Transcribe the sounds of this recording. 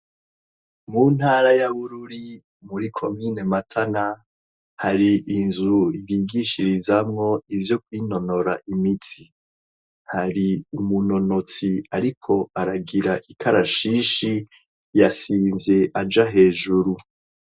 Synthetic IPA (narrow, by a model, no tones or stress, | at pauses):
mun̥haːɾajaβuɾuɾi | muɾikʰo̞miːne̞matʰana | haɾiʔinzuiβiːɡiʃiɾizamŋo̞ivjo̞kwiːno̞no̞ɾaʔimitʰi | haɾiumuno̞no̞t͡siaɾikʰo̞aɾaɡiɾaʔikʰaɾaʃiːʃi | jasiːmzje̞ʔad͡ʒaɦe̞ːʒuɾu